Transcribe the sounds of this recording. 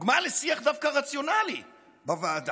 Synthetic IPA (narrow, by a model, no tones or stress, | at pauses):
ɡmalesiaχd̪avkaʁat͡sjo̞nalḭ | bavad̪